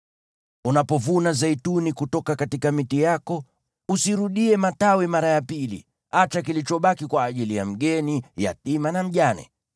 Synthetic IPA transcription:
unapɔvunazaitunikutɔkakatikamitijakɔ | usiɾuɗiɛmatawimaɾajapilḭ | at͡ʃakilit͡ʃɔɓakikwaːʄilija̰m̩ɠɛnija̰timanam̩ʄanɛ̰

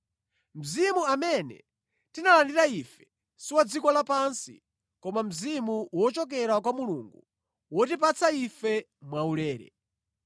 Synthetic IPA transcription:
m̩zimuamɛnɛ̰ | tinalandiɾaifɛ | siwad͡zikɔlapansḭ | kɔmam̩zimuwɔt͡ʃɔk̬ɛɾakwamuluŋɡu | wɔtip̬at͡saifɛ | mwaulɛːɾɛ̰

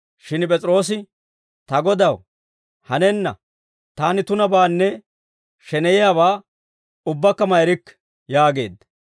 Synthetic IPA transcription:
ʃɪnpʼɛt͡sʼɾo̞ːs̬ɪ | t̪ɐɡɔd̪ɐw | hɐnɛnːɐ̰ | t̪aːnɪt̪ʊnɐbaːnːɛ | ʃɛnɛjɪjaβaː | ʊbːɐkːɐmɐjɾɪkː | jaːɡe̞̰ːd̪ɐ

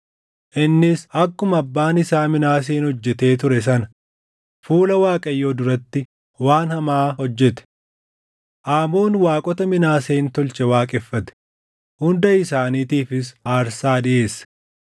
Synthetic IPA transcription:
ʔɪnːɪsɐkːʊmɐbːaːnɪsaːmɪnaːs̬eːnhɔd͡ʒːɛt̪e̞ːt̪̬ʊɾɛs̬ɐnɐ | fuːlɐwaːkʼɐjːoːd̪ʊɾɐt̪ːɪ | waːnhɐmaːhɔd͡ʒːɛt̪ɛ̥ | ʔaːmo̞ːnwaːkʼɔt̪ɐmɪnaːseːnt̪ɔlt͡ʃɛwaːkʼɛfːɐt̪ɛ̥ | hʊnd̪ɐɪsaːniːt̪iːfɪsaːɾsaːd̪ɪʔe̞ːsɐ̥

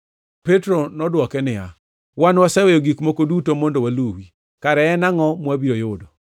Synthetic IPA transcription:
petɾonɔdwɔkɛnɪja̰ | wanwasɛwɛjoɡikmokodutomɔndowaluwi | kaɾɛɛnaŋɔmwabiɾojʊdo

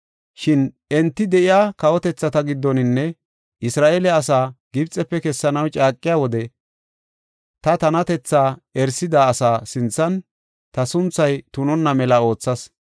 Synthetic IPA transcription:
ʃɪn | ɛnt̪ːɪd̪ɛʔɪjaːkɐwɔt̪ɛt͡sːɐt̪ɐɡɪd̪ːɔnɪnːɛ | ʔɪsɾaːʔeːlɛɐsaːɡ̥ɪbt͡sʼːɛpːɛkɛsːɐnɐwt͡ʃʼaːkʼːɪjaːwɔd̪ɛ | t̪ɐt̪ɐnɐt̪ɛt͡sːaːɛɾsɪd̪aːsaːsɪnt͡sːɐn | t̪ɐsʊnt͡sːɐjt̪ʊnɔnːɐmɛlɐo̞ːt͡sːɐs

